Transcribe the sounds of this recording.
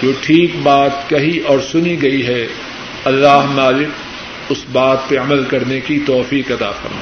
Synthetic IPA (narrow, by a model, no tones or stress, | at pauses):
d͡ʒoːʈʰiːkbaːt̪kɐɦiʔɔːɾsʊniɡɐiɦɛ | ɐlːaːɦmaːlɪk̚ | ʊsbaːt̪̚peɐməlkɐɾnekit̪ɔːfiːkɐt̪a̰ːfɐ̰ɾma̰ː